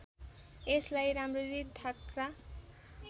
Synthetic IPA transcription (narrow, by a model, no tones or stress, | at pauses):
eslajɾamriɾid̪ʰʱakra